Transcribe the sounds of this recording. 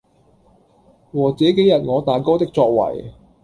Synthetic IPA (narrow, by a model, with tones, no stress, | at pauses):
wɔː˨˩t͡sɛː˨˥ke˨˥jɐ˨t̚ŋɔː˨˧t̪aː˨nkɔː˥t̪ɪ˥k̚t͡sɔː˧k̚wɐ̰˨˩j